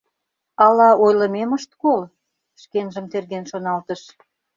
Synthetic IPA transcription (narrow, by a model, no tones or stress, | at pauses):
ɑlɑʔojləmeməʃt̪kol | ʃkenʒə̆mt̪erɣenʃonɑlt̪əʃ